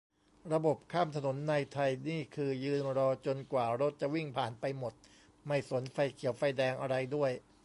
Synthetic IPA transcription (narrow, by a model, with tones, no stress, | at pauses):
ɾa˧bo˨˩p̚kʰaː˥˩mt̪ʰa˧no˩˦nːa˧jt̪ʰa˧jniː˥˩kʰɯː˧jɯː˧nɾɔː˧t͡ɕo˧nkwaː˨˩ɾo˦˥t̪̚t͡ɕa˨˩wi˥˩ŋpʰaː˨˩npa˧jmo˨˩t̪̚ | ma˥˩jso˩˦nfa˧jkʰi˨˩˦wfa˧jdɛː˧ŋʔa˧ɾa˧jdu˥˩əj